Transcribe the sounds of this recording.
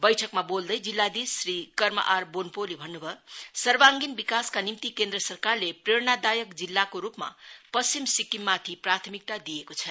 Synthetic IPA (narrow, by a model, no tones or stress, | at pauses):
bʌjʈʰʌkmabold̪ʌjd͡zilːad̪isrikʌrmʌ̰ʔarbonpolibʱʌnːubʱʌsʌrbaŋɡinbikaskanimt̪ikend̪ɾʌsʌrkarlepreɽnad̪ajʌkd͡zilːakoɾupma̰pʌst͡simsikimːat̪ʰiprat̪ʰʌmik̚t̪ad̪ijekot͡sʰʌ